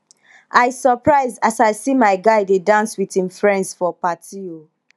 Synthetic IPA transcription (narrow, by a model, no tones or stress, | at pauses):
aɪsɔpɹaɪzasaɪsimaɪɡaɪdedãnswithĩmfɹɛ̃ndsfɔpatio